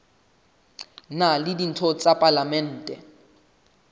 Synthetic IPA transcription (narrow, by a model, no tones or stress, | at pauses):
nalɪdin̩tʰɔt͡sʼapʼalamɛn̩ːtʼɛ̰